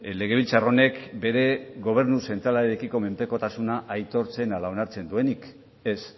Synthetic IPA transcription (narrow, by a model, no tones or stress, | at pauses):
le̞ɣ̞e̞βilt͡sarone̞kbe̞ɾe̞ɣo̞β̞e̞ɾnuse̞nt̪ɾalaɾeɾekiko̞me̞mpe̞ko̞t̪asunaʔajt̪o̞ɾt͡se̞nalao̞naɾt͡se̞nd̪ue̞nik | es